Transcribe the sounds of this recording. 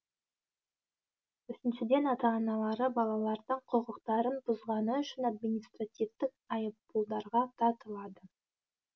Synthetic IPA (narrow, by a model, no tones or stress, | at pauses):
ʏsɪnʃɪd̪e̞nɑt̪ɑːnɑlˠɑɾəbɑlˠɑlˠɑɾd̪əɴqʰoʁəqt̪ɑɾənbʊzʁɑnəʏʃɪnad̪minʲijst̪rat̪ʲivt̪ɪk̚ɑjəppulˠd̪ɑɾʁɑt̪ʰɑt̪əlˠɑd̪ə